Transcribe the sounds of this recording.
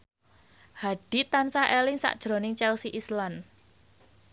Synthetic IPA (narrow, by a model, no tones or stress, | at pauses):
haɖ̥i̤t̪ansaʔelɪŋsa̰ʔd̥ʒ̥ɾo̤nɪŋt͡ʃɛlsiʔislan